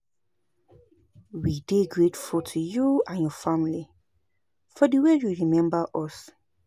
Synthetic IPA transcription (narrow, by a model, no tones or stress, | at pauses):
wideɡɹetfɔtʰujuãnjɔfamli | fɔdəwejuɹimɛ̃mbəʔɔs